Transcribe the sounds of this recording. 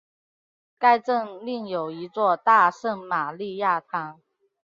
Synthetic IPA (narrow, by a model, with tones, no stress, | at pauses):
ka˥˧ɪʈ͡ʂɤ˥˧ŋli˥˩ŋjo˨˩ʊi˧˥t͡swɔ˥˧t̪a˥˧ʂə˥˩ŋma˨˩li˥˧ja˥˩t̪ʰɑ˧˥ŋ